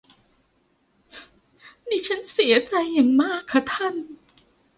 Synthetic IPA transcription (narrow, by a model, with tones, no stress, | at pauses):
niː˧˩t͡ɕʰa˦˥nsi˨˩˦ɐt͡ɕa˧jːa˨˩ŋmaː˥˩kʰːa˦˥t̪ʰa˥˩n